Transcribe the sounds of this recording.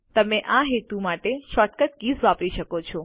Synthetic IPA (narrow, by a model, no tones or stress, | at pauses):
t̪əmeʔaɦet̪umaʈeʃɔʈkət̪ɡisʋapɾiʃəkot͡ʃʰɔ